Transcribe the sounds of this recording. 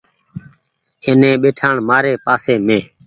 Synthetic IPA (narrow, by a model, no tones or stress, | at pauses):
eːnẽːɓeːʈʰãːɳmaːɾeːpaːseːmẽː